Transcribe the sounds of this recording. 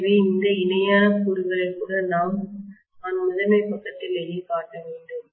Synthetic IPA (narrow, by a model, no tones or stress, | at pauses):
ʋiɪnd̪ɐɪnɐjaːnɐkuːɾʊɣɐɾɐɪkːuːɽɐnaːm | ɐnmʊðɐnɐɪpːɐkːɐt̪ːɪlɛɾikaːʈːɐʋeːɳɖɯm